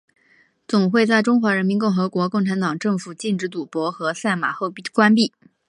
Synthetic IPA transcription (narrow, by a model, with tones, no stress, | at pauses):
t͡sʊ˨˩ŋxwe˥˧ɪt͡sa˥˩ɪʈ͡ʂʊ˥ŋxwa˧˥ɻə˧˥nmi˧˥nkʊ˥˩ŋxɤ˧˥kwɔ˧˥kʊ˥˩ŋʈ͡ʂʰa˧˥nt̪ɑ˨˩ŋʈ͡ʂɤ˥˩ŋfu˨˩t͡ɕi˥˧nʈ͡ʂɻ̩˧˥t̪̬u˨˩pwɔ˧˥xɤ˧˥sa˥˩ɪma̰˨˩xo˥˧ʊ˥˩kwa˥npi˥˩